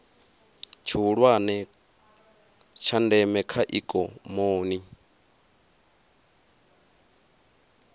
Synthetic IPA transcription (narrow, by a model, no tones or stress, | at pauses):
t͡ʃʰiuɺwanɛ | t͡ʃʰandɛmɛkʰaʔikʼɔmoːni